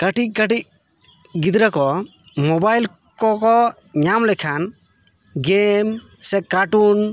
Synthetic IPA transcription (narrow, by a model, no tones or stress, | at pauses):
kəʈic̚kəʈic̚ | ɡid̪ɾakɔ | mɔbajl | kɔkɔ | ɲamlɛkʰan | ɡɛm | sɛkːaʈun